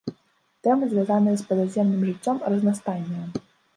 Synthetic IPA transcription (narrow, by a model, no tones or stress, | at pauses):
t̪ɛmɨzʲvʲjazanɨjɛspɐd̪azʲɛmnɨmʐɨt͡sʲːɔmrɐznast̪anʲːɐ